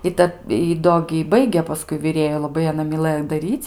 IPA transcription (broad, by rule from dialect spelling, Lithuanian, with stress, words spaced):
ɪ ˈtɐt ɪ ˈdoː ɡʲɪ jɪ ˈbɐɪɡʲeː pɐˈskʊɪ ʋʲɪˈrʲeːjʊ lˠɐˈbɐɪ ɐˈnɐ mʲɪˈlˠɘjoː dɐˈrʲiːt͡sʲ